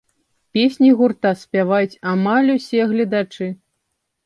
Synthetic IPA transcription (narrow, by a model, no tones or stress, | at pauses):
pʲesʲnʲiɣurt̪asʲpʲavajut͡sʲamalʲusʲɛɣlʲɐd̪at͡ʂɨ